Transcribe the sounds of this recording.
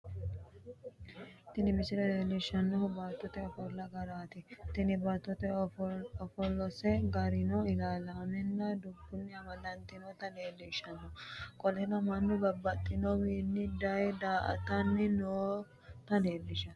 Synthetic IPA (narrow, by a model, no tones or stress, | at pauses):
t̪ɪnɪmɪsɪɾɐneːlːɪʃɐnːɔhʊbaːt̪ːɔt̪ɛɔfɔlːɐɡɐɾaːt̪ɪt̪ɪnɪbɐt̪ːɔt̪ɛ | ɔfɔlːɔsɛɡɐɾɪnɔɪlaːlaːmɛnːɐd̪ʊbːʊnːɪɐmɐd̪ɐnt̪ɪnɔt̪ɐneːlːɪʃɐnːɔkʼɔlɛnɐmɐnːʊbɐbːɐt̪ʼːɪnɔwiːnːɪd̪ɐjd̪aːʔɐ̰t̪ɐnːɪnoː | t̪ɐneːlːɪʃɐn